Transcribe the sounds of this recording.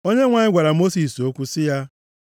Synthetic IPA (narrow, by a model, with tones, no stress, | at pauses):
o˦ɲe˦ŋʷa˨ɲɪ˦ɡʷa˨ɾa˨mo˦si˨so˦kʷu˦sɪ˦ja˦